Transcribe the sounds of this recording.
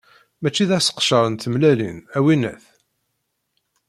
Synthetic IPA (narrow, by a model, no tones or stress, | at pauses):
mæt͡ʃːiðæsə̥qʃəɾˤənt̪əmlælḭnæwinæ̰θ